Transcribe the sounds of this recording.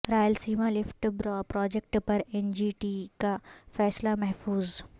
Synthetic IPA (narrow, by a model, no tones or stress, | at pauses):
ɾaːjəlsiːmalɪfʈbɾɔːpɾɔːd͡ʒek̚ʈpɐɾɛnd͡ʒiːʈiːkafɛːslamɛɦfuːz